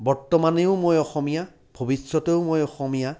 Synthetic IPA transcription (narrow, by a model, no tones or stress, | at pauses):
bɔɹtɔmaneʊmojɔxɔmija | bʱobisːɔteʊmojɔxɔmija